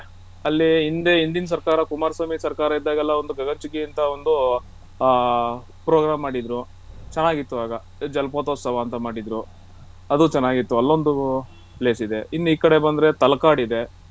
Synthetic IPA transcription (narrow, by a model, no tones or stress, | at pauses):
ɐlːiind̪e̞ind̪ins̬ɐɾkaːɾɐkumaːɾsɐmisɐɾkaːɾɐid̪ːaːɡɛlːɐond̪uɡɐɡɐɲt͡ʃuɡiːnt̪ɐond̪u | pɾoːɡɾaːmːaːɽid̪ɾu | t͡ʃɐnːaːɡit̪ːuʋaːɡɐ | d͡ʒɐlɐpoːt̪oːsɐʋaːnt̪ɐmaːɽid̪ɾu | ɐd̪ut͡ʃɐnːaːɡit̪ːuɐlːo̞nd̪u | ple̞ːsid̪e̞inːuiːkɐɽe̞bɐnd̪ɾe̞t̪ɐlɐkaːɽid̪e̞